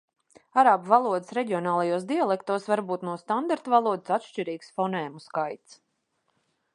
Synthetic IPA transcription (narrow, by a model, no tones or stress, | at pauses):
aɾaːbuvalˠuɔd̪ɨsɾɛɟiɔnaːlˠajuɔsd̪ialˠɛkt̪uɔsvaɾbuːt̪nuɔst̪and̪aɾt̪uvalˠuɔd̪ɨsat̪ʃt͡ʃiɾiːksfɔnɛːmuskajt̪s